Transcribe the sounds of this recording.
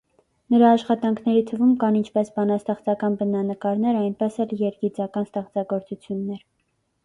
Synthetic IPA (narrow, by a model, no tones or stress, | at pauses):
nəɾɑːʃχɑt̪ɑŋkʰnɛɾit̪ʰəvumkɑnint͡ʃʰpɛsbɑnɑst̪ɛχt͡sɑkɑnbənɑnəkɑɾnɛɾɑjnpɛsɛljɛɾɡit͡sɑkɑnst̪ɛχt͡sɑɡɔɾt͡sut͡sʰjunːɛɾ